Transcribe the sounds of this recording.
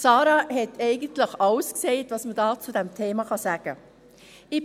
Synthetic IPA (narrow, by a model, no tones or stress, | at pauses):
sɑːɾɑhɛtʰɛɪɡəntlɪχɑwskseɪtvɑsmədɑːt͡sudɛmtʰeːmɑχɑsæːɡ̥ə | ɪ